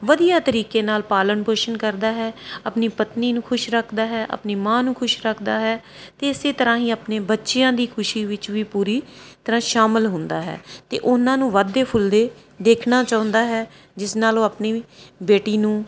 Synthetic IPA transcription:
ʋəd̪ijaːt̪əɾiːkeːnaːlpaːləɳpoːʃənkəɾd̪aːɦɛːapniːpət̪niːnũːkʰʊʃɾəkʰd̪aːɦɛːʔə̰pniːmãːnũːkʰʊʃɾəkʰd̪aːɦɛː | t̪eːɪseːt̪əɾãːɦĩːaːpneːbətːʃɪjãːd̪iːkʰʊʃiːʋɪt͡ʃʋiːpuːɾiːt̪əɾãːʃaːmɪlɦʊnd̪aːɦɛ̰ːt̪ḛːʔʊnãːnũːʋaːd̪eːpʰʊld̪eː | d̪eːkʰnaːt͡ʃaːʊ̃nd̪aːɦɛː | d͡ʒɪsnaːloːapniːbeːʈiːnũː

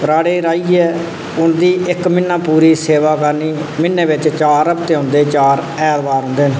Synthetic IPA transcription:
ɾaːɽeːɾaːiːɛː | ʊnd̪iːʔɪkmɪnːãːpuːɾiːseːʋaːkəɾniːmɪnːeːʋɪt͡ʃt͡ʃaːɾːəbt̪eːɦõːnd̪eːt͡ʃaːɾ | ɛːlbaːɾɦʊ̃nd̪eːnː

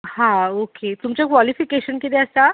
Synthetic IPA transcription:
hãoket̪umt͡ɕakʋalifikeɕənkit̪eəst̪a

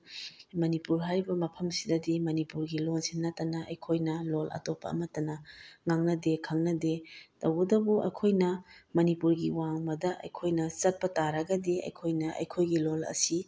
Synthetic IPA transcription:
mɐnipuɾɦaɾibɐmɐpʰɐmsidɐdimɐnipuɾɡilolsinːɐtɐnɐʔɐ̰jkʰojnɐlolɐ̰topːɐ̰ɐ̰mɐtɐnɐŋaŋnɐdekʰaŋnɐdetɐwɐdɐbuʔɐ̰jkʰojnɐmɐnipuɾɡiwaŋmɐdɐʔɐ̰jkʰojnɐt͡ʃɐt̚pɐtaɾɐɡɐdiɐ̰jkʰojnɐʔɐ̰jkʰojɡilolɐ̰si

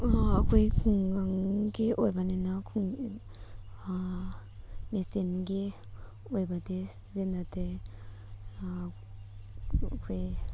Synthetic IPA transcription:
akʰojkʰuŋɡaŋɡeʔojbanenakʰuŋ | a | mesenɡe | ojbade | zenate | kʰoj

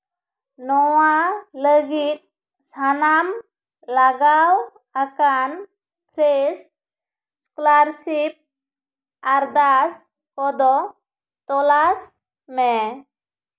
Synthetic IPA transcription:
nɔwaləɡit̪̚ | sanam | laɡaw | akan | pʰɾes | sklaɾsip̚ | aɾd̪as | kɔd̪ɔ | t̪ɔlas | mɛ

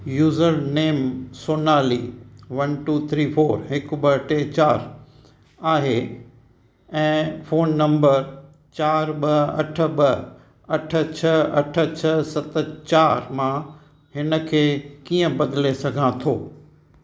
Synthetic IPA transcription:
juːzəɾneːmsoːnaːliːʋɐnʈuːt̪ʰɾiːfoːɾɦɪkʊbɐʈet͡ɕaːɾ | aːɦe | ɛ̃ːfoːnːɐ̃mbəɾ | t͡ɕaːɾɓɐɐ̰ʈʰə̆ɓɐ | ɐʈʰə̆t͡ɕʰɐɐʈʰə̆t͡ɕʰɐsɐt̪ə̆t͡ɕaːɾmã | hɪnə̆kʰeːkiːə̃bɐd̪ɪlesɐɡʱãt̪ʰoː

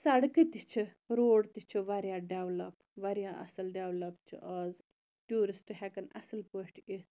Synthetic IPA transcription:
sɐɽkɨt̪it͡ʃʰɨ | ɾoːɽt̪it͡ʃʰɨʋɐɾjãːɖeʋlɐp | ʋɐɾjãːʔɐ̰sɐlɖeʋlɐpt͡ʃʰɨ̰ʔɐːz | ʈuːɾisʈɦɛkɐnɐ̰sɨlpoːʈit̪

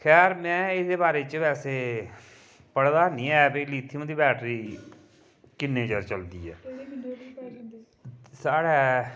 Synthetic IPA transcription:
kʰɛːɾmɛ̃ːɪdeːbaːɾeːt͡ʃʋɛːseː | pəɽd̪aːnĩːɛːbiliːt̪ʰːiːmə̃ːd̪iːbɛːʈɾiː | kɪnːẽːt͡ʃəɾt͡ʃəld̪iːɛː | saːɽɛː

